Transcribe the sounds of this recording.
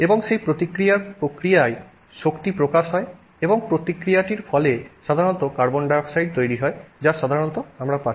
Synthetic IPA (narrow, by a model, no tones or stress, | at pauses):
ebɔŋsejpɾot̪ikɾijaɾpɾokɾijae | ʃokt̪ipɾokaʃɦɔe | ebɔŋpɾot̪ikɾijaʈiɾpʰɔleʃad̪ʱaɾɔnt̪ɔkaɾbɔnɖaksajɖ̚t̪ojɾiɦɔed͡ʒaʃad̪ʱaɾɔnt̪ɔamɾapa